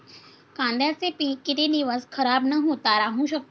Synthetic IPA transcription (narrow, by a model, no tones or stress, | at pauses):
kãːnd̪jasepikɪt̪ed̪iʋəskʰɐɾaːbnɐɦoːt̪aɾaɦũʃɐk̚t̪